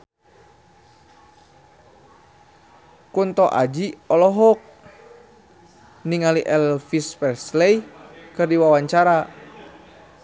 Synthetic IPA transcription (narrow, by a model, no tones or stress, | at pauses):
kunt̪ɔʔa̰d͡ʒiɔlɔɦɔk̚ | niŋaliʔɛlfispɛrslɛjkɨrdiwawaɲt͡ʃaɾa